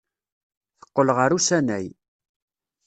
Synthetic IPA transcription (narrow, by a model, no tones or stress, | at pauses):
θə̥qːəlʁəɾusænæj